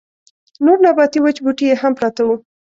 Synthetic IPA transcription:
noɾnabɑt̪iwət͡ʃbuʈijeɦampɾɑt̪awu

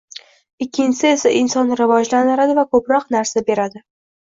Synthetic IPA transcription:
ɪkʲʰːɪnʲt͡ʃɪsɪe̞saʔɪnsɒnɾɪvɒd͡ʒlanɪɾad̪ɪvakʰɵpɾɒqnaɾsabe̞ɾad̪ɪ

